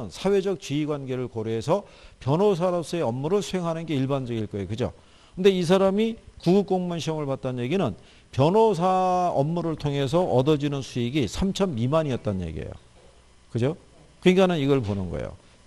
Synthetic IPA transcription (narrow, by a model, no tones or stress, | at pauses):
ɯnsʰawe̞d͡ʑʌk̚t͡ɕiiɡwanɡe̞ɾɯɭkʌɾeesʰʌ | pjʌnɦos̬ʰaɾʌp̚s͈ʌe̞ʌmːuɾɯɭsʰue̞ŋɦanɯnɡe̞iɭband͡ʑʌɡiɭk͈ʌejokɯd͡ʑo̰ | kʰɯnde̞is̬ʰaɾamikuɡuk͈oŋmunɕʰioŋɯɭpat̚t͈anje̞ɡinɯn | pjʌnosʰaʌmːuɾɯɭtʰoŋɦe̞s̬ʰʌʔʌdʌd͡ʑinɯnsʰuiɡisʰamt͡ɕʰʌmimaɲiʌt̚t͈anje̞̰ɡiḛjo̰ | kɯd͡ʑo | keŋɡanɯniɡʌɭponɯnɡʌ̰ḛjo̰